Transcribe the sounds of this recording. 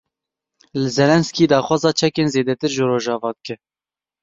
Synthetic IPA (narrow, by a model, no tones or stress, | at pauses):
lɨzɛlɛnskiːd̪ɑːxwɑːzɑːt͡ʃʰɛkeːnzeːd̪ɛt̪ɨɾʒoɾoːʒɑːvɑːd̪ɨkɛ